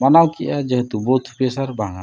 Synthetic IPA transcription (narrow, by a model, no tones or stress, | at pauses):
manawkiʔad͡ʒəɦɛt̪ubɔt̪ʰu̥pasaɾbaŋa